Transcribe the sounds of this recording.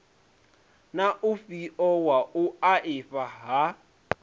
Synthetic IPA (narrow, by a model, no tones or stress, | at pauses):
naʔʊfiʔɔwaʊaʔɪfaɦa